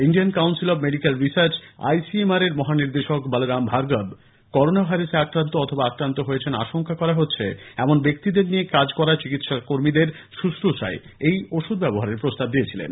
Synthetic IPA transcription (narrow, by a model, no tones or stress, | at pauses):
inɖijankawnsilɔbmeɖikelɾisaɾt͡ɕa̰jsiemaɾeɾmɔɦaniɾd̪eʃokbalɾambʱaɾɡab | kɔɾonabʱajɾaseakɾant̪oɔt̪ʰobaakɾant̪oɦojet͡ɕʰena̰ʃoŋkakɔɾaɦotːɕʰeɛmonbek̚t̪id̪eɾniekad͡ʑkɔɾat͡ɕikit̪ʃakoɾmid̪eɾ | ʃuʃɾoʃa̰e | ejoʃud̪̚bɛboɦaɾeɾpɾost̪ab̚d̪iet͡ɕʰilḛn